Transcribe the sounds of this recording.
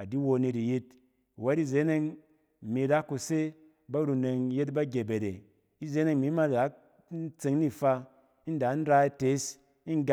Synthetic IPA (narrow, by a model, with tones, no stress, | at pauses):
a˨di˦wo˧ni˧ɾi˨ji˦t̚ | we˦ɾi˦˨ze˦ne˦ŋ˨ | mi˨˧˨ɾa˦kːu˧se˦ | ba˦ɾu˧ne˧ŋje˦t̬ba˦ɡʲe˨be˨ɾe˨ | i˦ze˦ne˦ŋmi˨˦ma˦da˨˦ | n̩˦t͡se˧ŋni˦fa˧ | i˦n˦da˨˦n̩˦ɾa˧i˧te˨˦s | i˦ŋ˦ɡa˦